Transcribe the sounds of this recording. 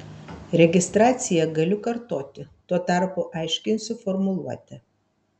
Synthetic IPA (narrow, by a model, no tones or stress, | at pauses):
ɾʲɛɡʲɪst̪ɾɑːt̪sʲɪjɛɡɐlʲʊkɐɾt̪oːt̪ʲɪt̪uɔt̪ɑˑɾpʊʔɐɪʃʲkʲɪnʲsʲʊfɔɾmʊlˠuɔt̪ʲɪ